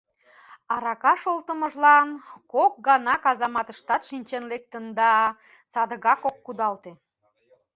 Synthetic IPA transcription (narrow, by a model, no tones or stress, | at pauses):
ɑɾɑkɑʃolt̪əmə̆ʒlɑnkok̚ɡɑnɑkɑzɑmɑt̪əʃt̪ɑt̪ʃinʲt͡ɕenlek̚t̪ənd̪ɑ | sɑd̪əɣɑkokːud̪ɑlt̪e